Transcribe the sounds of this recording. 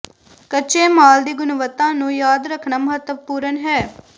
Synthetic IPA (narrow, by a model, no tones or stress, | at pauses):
kət͡ʃeːmaːld̪iːɡʊnʋət̪ːãːnũːjaːd̪ɾəkʰɳaːməɦət̪əpuːɾənɦɛː